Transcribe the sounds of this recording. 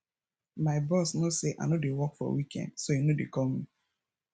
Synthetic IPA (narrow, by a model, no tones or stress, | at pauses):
maɪbɔsnoseʔa̰nodewɔkfɔ̰wikʰɛ̰̃ndsojenodekɔlmi